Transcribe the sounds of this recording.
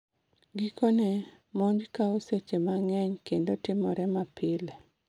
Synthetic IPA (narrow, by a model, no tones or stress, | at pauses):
ɡikone | moɲd͡ʒkaoset͡ʃemaŋɛɲkendotɪmɔɾɛmapɪle